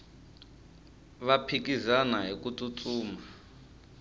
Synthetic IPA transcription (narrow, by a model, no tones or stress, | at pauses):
βapʰikizanaɦikut͡sʼut͡sʼuːma